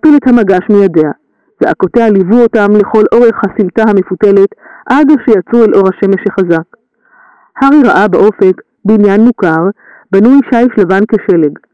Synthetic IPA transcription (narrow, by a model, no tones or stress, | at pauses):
pilethamaɡaʃmijade̞a | z̥eʔako̞tealivuo̞tamle̞χo̞lʔo̞ʁe̞χhasimtahame̞fute̞le̞tʔadeʃejat͡suelʔo̞ʁhaʃe̞me̞ʃheχazak | haʁiʁaʔabaʔo̞fe̞k | beinjanːukaʁ | banuiʃaiʃlavanke̞ʃe̞le̞ɡ